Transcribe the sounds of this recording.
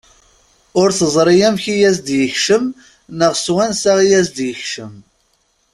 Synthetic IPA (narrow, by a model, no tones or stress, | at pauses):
ʊɾθəzˤɾˤijæmçijæzd̪jəçʃəm | nəʁswænsæʁijæzd̪jəçʃəm